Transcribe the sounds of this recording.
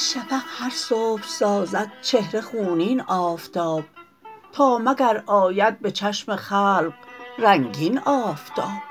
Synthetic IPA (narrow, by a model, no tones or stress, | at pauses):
ʃæpʰæhæɾsoːbɾsɒːzæd̪̥̚t͡ʃʰe̞hɾe̞xuːniːnɒːft̪ʰɒːb̥̚ | t̪ʰɒːmæɡæɾɒːjæd̪̚bet͡ʃʰæʃmexæːlɢɾæŋɟiːnɒːft̪ʰɒːb̥